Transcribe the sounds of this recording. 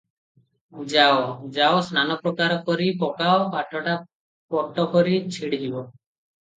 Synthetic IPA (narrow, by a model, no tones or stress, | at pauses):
d͡ʒaod͡ʒaosnanɔpɾɔkaɾɔkɔɾipɔkaokaʈʰɔʈa | pɔʈːɔkɔɾit͡ʃʰiɽid͡ʒibɔ